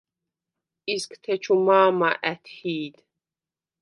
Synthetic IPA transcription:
izkʰt̪ʰɛt͡ʃʰumaːmaʔæt̪ʰħiːd̪

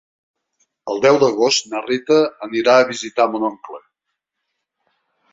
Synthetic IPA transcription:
əlˠd̪ɛwd̪əɣ̞ost̪nərit̪əːniɾaəβizit̪amunɔŋklə

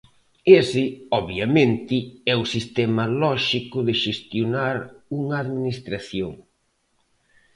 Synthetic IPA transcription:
esɪɔβjamẽnt̪ɪɛʊsist̪ɛmɐlɔʃikʊðɪʃest̪jonaɾuŋɐːðminist̪ɾaθjoŋ

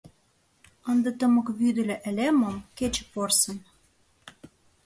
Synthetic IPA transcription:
ənd̪ɤ̆t̪ə̆mɤ̆kβyd̪ɘ̆lʲĕʔæ̆lʲemə̆mket͡ɕĕ̥porsə̆n

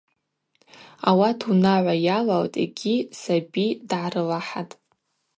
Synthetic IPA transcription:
awatʰunaʕʷajalaltʼḭɡʲisabidʕarɨlaħatʼ

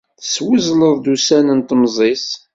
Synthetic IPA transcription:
θə̥swəzləðˤd̪usænənt̪mzˤis

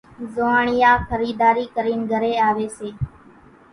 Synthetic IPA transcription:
zoaːɳɪjaːkʰəɾiːd̪aːɾiːkəɾiːnɡʱəɾeːaːʋeːseː

